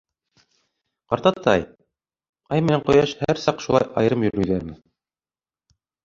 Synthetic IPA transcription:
qɑɾt̪ɑt̪ːɑ̰j | ɑjmɘ̆næŋqŏjɑʃhæɾsɑqʃulˠɑ̰jʔɑ̰jɤ̆ɾɤmjɵ̆ɾʉðæɾmɘ

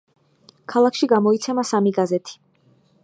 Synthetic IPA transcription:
kʰalˠakʃiɡamɔit̪sʰɛmasamiɡazɛt̪ʰi̥

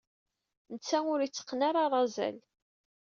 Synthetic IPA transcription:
nət͡sːæʊɾit͡sːə̥qːnaɾˤɑɾˤɑzæ̰l

